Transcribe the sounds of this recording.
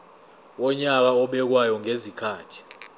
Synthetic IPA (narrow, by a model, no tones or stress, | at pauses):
wɔɲak̬aɔɓɛk̬wajɔŋezikʰaːtʰi̥